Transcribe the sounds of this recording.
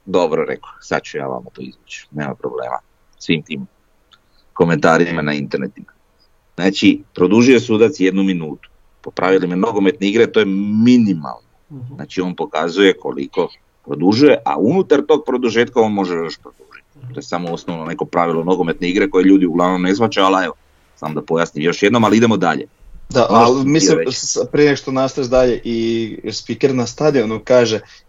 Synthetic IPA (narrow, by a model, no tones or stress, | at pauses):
d̪o̞bɾoɾḛkosa̰t̪̚t͡ʃuja̰ːʋa̰mat̪o̰ḭzʋut͡ʃu̥ne̞ːma̰mpɾo̞̰blḛːma̰ | sʋimt̪iːm | ko̞ment̪aːɾimanaint̪eɾnḛt̪ima | znaːt͡ʃipɾo̞d̪uʒujo̞suːd̪at̪sjed̪numinuːt̪u̥ | popɾʔaʋilimenoɡome̞t̪neiɡɾet̪o̞ːjeminima̰lˠnona̰ːt͡ʃio̞ːnpo̞kazuje̞kʰo̞̰lḭko̞ | pɾo̞d̪uʒuje̞ʔa̰unut̪aɾt̪o̞ːɡ̚pɾo̞d̪uʒeːt̪̚kao̞nmo̞ʒejo̞ʃpɾod̪uʒit̪i̥t̪ojesamoosnoʋnone̞ko̞pɾaʋilˠono̞ɡome̞t̪neiɡɾeko̞jeʎuːd̪iuɡlˠaːʋno̞mne̞sʋat͡ʃaaleʋo̞ | sa̰mod̪apo̞jasnimjo̞ʃjed̪nomaliid̪emod̪a̰ʎḛ | d̪aʔalmisiepɾieneʃt̪onast̪aeʒd̪aʎeʔispikeɾnast̪ad̪ionokaːʒe